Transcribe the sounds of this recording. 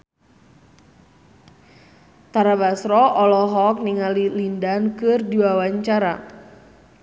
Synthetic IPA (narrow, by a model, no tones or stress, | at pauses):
t̪aɾabasɾɔʔɔlɔɦɔk̚niŋalilindankɨrdiwawaɲt͡ʃaɾa̰